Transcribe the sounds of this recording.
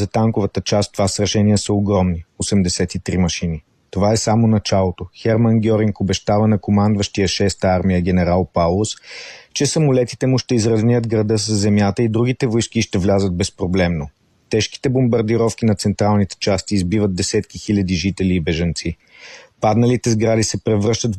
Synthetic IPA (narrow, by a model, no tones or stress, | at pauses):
zɐt̪aŋkʊvət̪ət͡ʃast̪ovasɾɐʃɛnijəsəoɡɾɔmniosɛmd̪ɛsɛt̪it̪ɾimɐʃini | t̪ovaɛsamonɐt͡ʃalˠot̪oxɛɾmənɡʲɔɾiŋkobɛʃt̪avənɐkomand̪vəʃt̪ijəʃɛst̪əaɾmijəɡʲɛnɛɾalˠpalˠost͡ʃɛsəmʊlɛt̪i̥t̪ɛmuʃt̪ɛizɾɐznʲiəd̪ɡɾɐd̪ɤs̬əsːɛmjat̪əid̪ɾuɡ̟it̪ɛvojskiʃt̪ɛvlʲazət̪̚bɛspɾoblɛmno | t̪ɛʃki̥t̪ɛbombɐɾd̪iɾɔfk̟inɐt̪sɛnt̪ɾalˠnit̪ɛ̥t͡ʃast̪iːzbivət̪̚d̪ɛsɛt̪kixilʲəd̪iʒit̪ɛliːbɛʒɐnt̪si | pad̪nɐlit̪ɛzɡɾad̪isɛpɾɛvɾɤʃt̪ət̪